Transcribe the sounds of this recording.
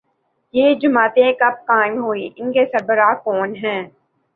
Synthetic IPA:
jeːd͡ʒʊmaːt̪ẽkɐb̚kaːɪ̃mɦoːiːʔɪnkesɐɾbəɾaːkɔːnɦɛ̃ː

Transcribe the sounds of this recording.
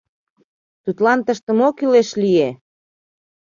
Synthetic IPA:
t̪ut̪lɑnt̪əʃt̪ə̆mokileʃlije

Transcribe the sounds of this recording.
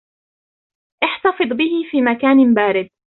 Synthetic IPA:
ʔɪħt̪ɑfɨd̪ˤbɪhɪfiːmakaːnbaːɾɪd̪̚

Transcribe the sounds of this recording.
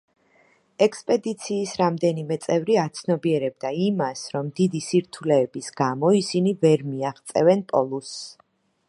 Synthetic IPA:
ɛkspʼɛd̪it̪sʰiːsɾamd̪ɛnimɛt̪sʼɛvɾiat̪sʰnɔbiɛɾɛb̚d̪aimasɾɔmd̪id̪isiɾt̪ʰulɛːbisɡ̥amɔisinivɛɾmiaχt̪sʼɛ̰vɛnpʼɔlˠusː

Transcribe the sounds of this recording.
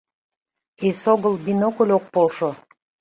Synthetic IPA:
esoɡəlˠbinokolʲok̚polʃo

